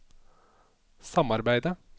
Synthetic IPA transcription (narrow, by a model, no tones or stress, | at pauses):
sɑmɑɾbæɪd̪ə